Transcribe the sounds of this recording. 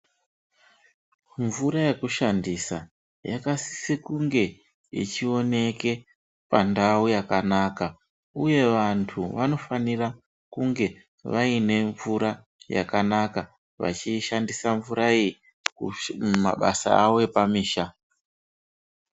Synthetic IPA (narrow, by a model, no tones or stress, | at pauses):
ɱvuɾaje̞kuʃandisa̰ | jakasi̥sikuŋɡe̞ | ḭt͡ʃio̞ne̞ke̞ | pandaujakanaka | uje̞ʋantʰuʋano̞fanira | kuŋɡe̞ | ʋaine̞ɱvuɾa | ja̰kanaka | ʋa̰t͡ʃiʃandisaɱvuɾaiji | kuma̰ɓasa̰awoepamiːʃa